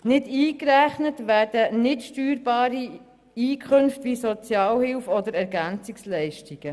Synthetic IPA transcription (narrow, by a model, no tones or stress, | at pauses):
nɪdiːkɾæχnətʋæːɾd̥ənɪtʃtyːɾbɑːɾi | iːkʰχɵnftʋisɔt͡sjɑːlhɪlfɔd̪əɾɛɾɡænt͡sɪkslɛɪʃtiɡ̥ə